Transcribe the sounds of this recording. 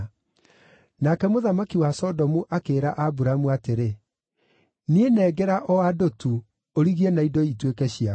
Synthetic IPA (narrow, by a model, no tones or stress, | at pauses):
nakɛmoðamakiwasɔdɔmuʔakeːɾaʔabuɾamuateɾe | nienɛːɡɛɾaʔɔwadotu | oɾiɣienaidoitwekɛɕia